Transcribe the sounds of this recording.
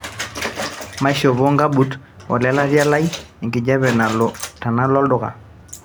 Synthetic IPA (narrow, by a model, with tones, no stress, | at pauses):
ma˦ʃɔ˨βɔ˦ŋɡa˦ɓu˨˦t | wa̰˨lɛ˦la˦vja˦la˦ji˨ŋki˨d͡ʒa˦βɛ˨na˨lɔ˨ta˨na˦lɔ˦ldʊ˨ka̰˨